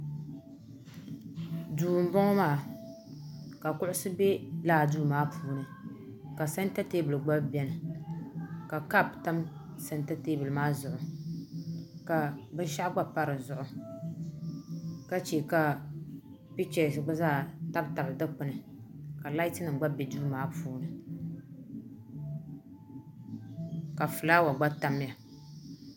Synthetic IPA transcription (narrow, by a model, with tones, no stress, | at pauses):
duː˨m̩˨˦bɔ˦ŋɔ˦maː˦˨ | ka˨kʊ˦ʔʊ˦sɨ˦bɛ˦laː˦˨duː˦maː˦pʰuː˦nɨ˨ | ka˨sɛ˦n˦ta˦te˦bɨ˨lɡ͡ba˦bbɛ˦nɨ˨ | ka˨ka˦˨pta˦m | sɛ˦nta˦te˦bɨ˨lmaː˦zʊ˨ʔʊ˨ | ka˨bɨ˦n˦ʃa˦ʔɡ͡ba˦pa˦ɾɨ˨zʊ˨ʔʊ˨ | ka˦t͡ʃi˨ka˨ | pi˦t͡ʃɛ˨sɨ˨ɡ͡bɨ˦zaː˦˨ta˦bta˨bɨ˨dɨ˦k͡pɨ˨nɨ˨ | ka˨la˦i˦tɨ˦nɨ˨ŋ˨ɡ͡ba˦bɛ˨du˦maː˦puː˦nɨ˨ | ka˨fɨ˨laː˦wa˨ɡ͡ba˦ta˨mja˨